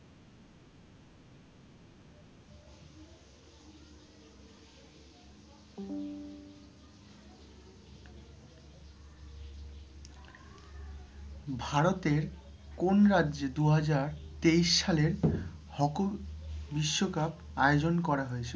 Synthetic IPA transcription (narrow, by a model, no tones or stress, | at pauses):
bʱaɾot̪eɾkonɾadːd͡ʑed̪uɦad͡ʑaɾt̪ejʃʃaleɾhɔkobiʃːokap | aeod͡ʑonkɔɾaɦoet͡ɕʰe